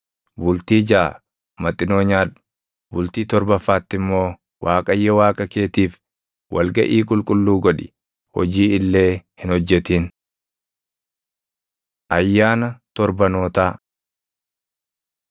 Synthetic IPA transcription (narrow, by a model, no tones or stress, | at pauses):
bʊlt̪iːd͡ʒaː | mɐt̪ʼːɪnoːɲaːᶑʊ̥ | bʊlt̪iːt̪ɔɾbɐfːaːt̪ːɪmːo̞ː | wʔaːkʼɐjːɐwaːkʼɐke̞ːt̪iːf | wʔɐ̰lɡɐʔiːkʼʊlkʼʊlːuːɡɔᶑɪ | hɔ̰d͡ʒiːɪlːe̞ːhɪnhɔd͡ʒːɛt̪iːn | ʔɐjːaːnɐt̪ɔɾbɐnoːt̪aː